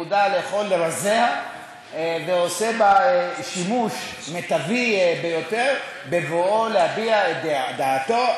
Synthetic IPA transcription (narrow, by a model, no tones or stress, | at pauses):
ud̪aleːχo̞lːeɾazea | veose̞baeʃimuʃ | met̪avibe̞jo̞t̪e̞ʁ | be̞voʔolehabiaed̪d̪aːt̪o̞